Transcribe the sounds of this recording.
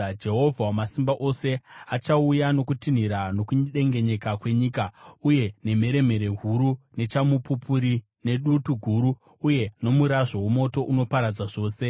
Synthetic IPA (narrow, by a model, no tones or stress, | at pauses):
d͡ʒe̞ɦo̞vʱawamasimbaʔo̞se̞at͡ʃaujano̞kutin̤iɾano̞kuɲɗe̞ŋɡe̞ɲe̞kakwe̞ɲiːkauje̞ne̞me̞ɾe̞me̞ɾe̞ɦuɾune̞t͡ʃamupupʰuɾi | ne̞ɗutuɡʱuɾuː | je̞no̞muɾaʐowumo̞to̞ʔuno̞paɾad͡zaʐo̞ːse̞